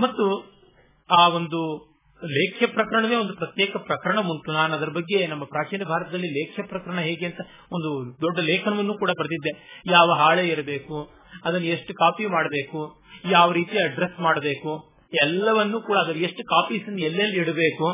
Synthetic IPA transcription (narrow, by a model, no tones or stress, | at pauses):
mɐt̪ːu | aːo̞nd̪u | leːkʰjɐpɾɐkɐɾɐɳɐʋe̞ːo̞nd̪upɾɐt̪jeːkɐpɾɐkɐɾɐɳɐmuɳʈunaːnɐd̪ɐɾɐbɐɡːe̞nɐmːɐpɾaːt͡ʃiːnɐbʱaːɾɐt̪ɐd̪ɐlːileːkʰjɐpɾɐkɐɾɐɳɐɦeːɡeɐnt̪ɐ | ond̪ud̪ɔɖːɐleːkʰɐnɐʋɐnːuːkuːɽɐbɐɾɐd̪id̪ːe̞jaːʋɐɦaːɭeːiɾɐbe̞ːku | ɐd̪ɐnːue̞ʂʈukaːpimaːɽɐbe̞ːku | jaːʋɐɾiːt̪ijɐɖɾesmaːɽɐbe̞ːku | ɛlːɐʋɐnːuːkuːɽɐːd̪ɐɾueʂʈukaːpiːsɐnːɛlːeɐlːiiɽɐbe̞ːku